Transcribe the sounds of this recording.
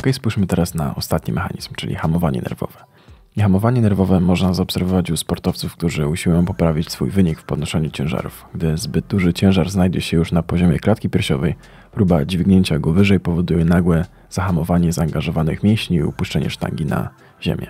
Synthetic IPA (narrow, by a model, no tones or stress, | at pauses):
ɔkɛjspujʂmɘt̪ɛɾasna̰ɔst̪at̪ɲḭmʔɛxa̰ɲḭzmt͡ʂɘ̰lʲḭxamɔvaɲɛ̰nɛ̰ɾvɔ̰vɛ | ixamɔvaɲɛnɛɾvɔvɛmɔʐnazaɔpsɛɾvɔvat͡ɕuspɔɾt̪ɔft̪sufk̚t̪uʐɘuɕiwjɔ̃w̃pɔpɾavʲit͡ɕsfujvɘɲikfpɔd̪̚nɔʂɛɲut͡ɕɛ̃w̃ʐa̰ɾṵfɡd̪ɘzbɘd̪̚d̪uʐɘt͡ɕɛ̃w̃ʐaɾznajd͡ʑɛɕɛjuʂnapɔʑɔmʲjɛklat̪̚kʲipʲjɛɾɕɔ̰vɛj | pɾubad͡ʑvʲiɡɲeɲt͡ɕaɡɔvɘʐɛjpɔvɔd̪ujɛnaɡwɛ | z̥axamɔvaɲɛzaːŋɡaʐɔvanɘ̰xmʲjẽɕɲiːṵpuʂt͡ʂɛɲɛ̰ʂt̪a̰ŋɡʲina̰ | ʑḛmʲjɛ